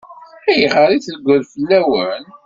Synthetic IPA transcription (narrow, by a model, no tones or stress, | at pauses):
æjəʁəɾiθləɡʷəðfəlːæwən